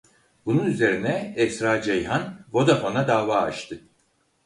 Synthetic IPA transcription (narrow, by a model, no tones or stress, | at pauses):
bununyze̞ɾinɛɛsɾaːd͡ʒejɦanvo̞d̪afonad̪aːva̰ːʃt̪ʰɯ